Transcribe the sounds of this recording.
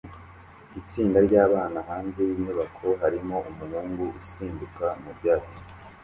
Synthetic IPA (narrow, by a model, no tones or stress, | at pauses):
it͡siːndaɾɟaːβaːnahaːnzejiɲɲuβakʰo̞ɦaɾimo̞ʔumuhuːŋɡuʔusiːndukamubɟaːt͡so̥